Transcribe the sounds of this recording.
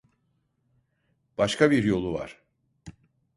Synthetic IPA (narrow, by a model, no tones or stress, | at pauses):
b̥aʃkʰabiɾjo̞lˠuva̰ɾ̥